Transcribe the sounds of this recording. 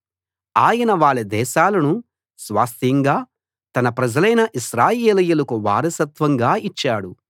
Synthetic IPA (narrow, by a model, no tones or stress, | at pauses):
aːjɐnɐʋaːɭːɐd̪ɛːʃaːlɐnu | sʋa̰ːst̪ʰiŋɡaː | t̪ɐnɐpɾɐd͡ʒɐlɐjnɐʔiʃɾaːjeːlɐjulɐkuʋa̰ːɾɐsɐt̪ʋɐŋɡaːit͡ʃːaːɽu